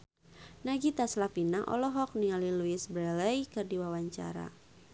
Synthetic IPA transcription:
naɡit̪aslafinaʔɔ̰lɔɦɔk̚niŋaliluisbɾɛlɛjkɨrdiwawaɲt͡ʃa̰ɾa̰

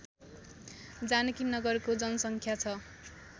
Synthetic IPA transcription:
d͡zanʌkinʌɡʌrkod͡zʌnʌsʌŋkʰjat͡sʰʌ

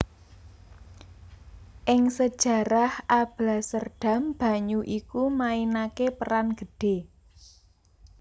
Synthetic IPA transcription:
ʔɪŋsəd̥ʒ̥ä̤ɾahʔab̥lasərɖ̥a̤mb̥ä̤ɲuʔikumainakepəɾanɡ̥ə̤ɖ̥e̤

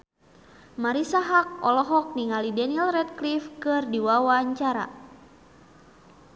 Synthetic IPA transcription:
maɾisaɦak̚ɔlɔɦɔk̚niŋalidɛnilrɛt̪̚klifkɨrdiwawaɲt͡ʃaɾa̰

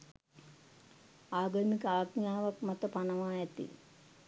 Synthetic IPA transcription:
aːɡəmikəaːɡnjaːʋakmat̪əpanəʋaːɛt̪ḭ

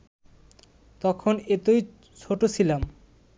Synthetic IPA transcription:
t̪ɔkʰonet̪oj | t͡ɕʰoʈot͡ɕʰilam

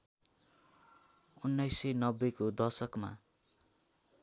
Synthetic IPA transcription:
unːajsenʌbːekod̪ʌrsʌkma̰

